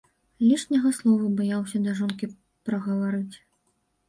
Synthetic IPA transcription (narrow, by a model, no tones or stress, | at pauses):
lʲiʂnʲɐɣɐslˠɔvɐbajawsʲɐd̪ɐʐɔnkʲi | pɾɐɣɐvaɾɨt͡sʲ